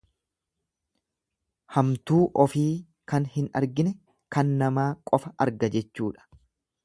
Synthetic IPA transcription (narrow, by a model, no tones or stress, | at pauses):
hɐmt̪uːʔɔfiː | kɐnhɪnɐ̰ɾɡɪnɛ | kɐnːɐmaːkʼɔfɐʔɐ̰ɾɡɐd͡ʒɛt͡ʃːuːᶑɐ̥